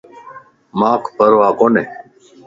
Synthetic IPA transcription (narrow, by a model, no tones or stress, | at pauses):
maːkʰpəɾoʋaːkone